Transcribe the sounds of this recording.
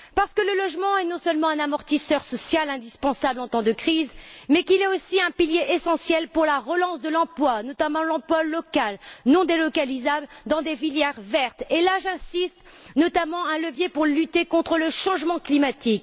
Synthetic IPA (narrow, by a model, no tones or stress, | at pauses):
paʁsə̥kələlɔʒmɑ̃ɛnɔ̃səlmɑ̃ɛ̃namɔʁt̪isœʁsɔsjalɛ̃d̪ispɑ̃sablɑ̃t̪ɑ̃d̪əkχizmɛkilɛosiɛ̃piljeʔesɑ̃sjɛlpuʁlaʁəlɑ̃sd̪əlɑ̃plwanɔt̪amɑ̃lɑ̃plwalɔkalnɔ̃d̪elɔkalizabld̪ɑ̃d̪efiljɛʁvɛʁt̪elaʒɛ̃sist̪ | nɔt̪amɑ̃ɛ̃ləvjepuʁlyt̪ekɔ̃t̪χələʃɑ̃ʒmɑ̃klimat̪ik